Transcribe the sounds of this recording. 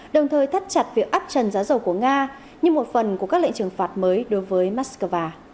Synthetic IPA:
ɗə˨˩wŋ͡mt̪ʰəː˨˩jt̪ʰə˦˥t̚t͡ɕa˨˩t̚vi˨˩ək̚ʔa˦˥p̚t͡ɕə˨˩nzaː˨˦wzə˨˩wku˧˩əŋaː˧ | ɲɨ˧ŋmo˨˩t̚fə˨˩nku˧˩əkaː˦˥kl̰ŋt͡ɕɨ˨˩əŋfaː˨˩t̚məː˨˦jɗo˨˦jvəː˨˦jmaː˦˥t̚skəː˧vaː˧

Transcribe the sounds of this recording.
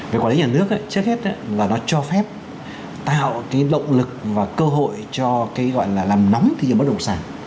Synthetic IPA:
ve˨˩kwli˨˦ɲaː˨˩nɨ˦˥ək̚ʔa̰ː˧˦t͡ɕɨ˦˥ək̚he˦˥t̚ʔaː˨˦laː˨˩nɔ˨˦t͡ɕɔ˧fɛ˦˥p̚ | t̪a̰ː˧˨˧kaː˨˦jɗə̰˧˨wŋ͡mlɨ˨˩k̚vaː˨˩kəː˧ɦo̰˧˨jt͡ɕɔ˧kaː˨˦jɣɔ̰˧˨jlaː˨˩laː˨˩mnɔ˨˦wŋ͡mt̪i˧˨ə˨˩mɓ̚ɗə˨˩w̚saː˨˩ŋ

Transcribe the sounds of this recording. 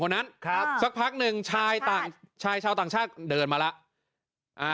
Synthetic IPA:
o˧nːa˦˥nsa˦˥k̚pʰa˦˥k̚nɯ˨˧ŋt͡ɕʰaː˧jt̪aː˨˩ŋt͡ɕʰaː˧jt͡ɕʰaː˧wt̪aː˨˩ŋt͡ɕʰaː˥˩t̪̚dɤː˧nmaː˧la˦˥ʔ | ʔaː˧˩

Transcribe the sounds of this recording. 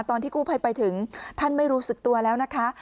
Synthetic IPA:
t̪ɔː˧nʰiː˥˩kuː˥˩pʰa˧jpa˧jt̪ʰɯ˩˦ŋt̪ʰa˥˩nma˥˩jɾuː˦˥sɯ˨˩k̚t̪u˧ɐlɛː˦˥wna˦˥kʰa˦˥

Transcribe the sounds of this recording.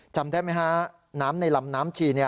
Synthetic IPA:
t͡ɕa˧mt̪ʰɛː˥˩ma˦˥jka˦˥ | naː˦˥mna˧jla˧mnaː˦˥mt͡ɕʰiː˧˩ni˥˩

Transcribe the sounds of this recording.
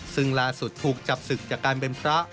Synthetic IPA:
sɯ˧ŋlaː˧su˨˩t̪ʰːuː˨˩k̚t͡ɕa˨˩p̚sɯ˨˩k̚t͡ɕaː˨˩kːaː˧npe˧npʰɾa˦˥ʔ

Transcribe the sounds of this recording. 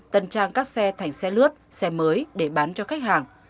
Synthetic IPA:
t̪ə˧nt͡ɕaː˧ŋkaː˦˥k̚sɛ˧t̪ʰa˨˩jŋ̟sɛ˧lɨ˦˥ət̚sɛ˧məː˨˦jɗe˧˩ɓaː˨˦nt͡ɕɔ˧xa˦˥k̚haː˨˩ŋ

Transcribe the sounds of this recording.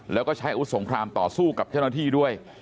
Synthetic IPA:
lɛː˦˥wkɔː˥˩t͡ɕʰa˦˥jʔa˧wu˦˥so˩˦ŋkʰɾaː˧mt̪ɔː˨˩suː˥˩ka˨˩p̚t͡ɕa˥˩wna˥t̪ʰiː˥˩du˥˩əj

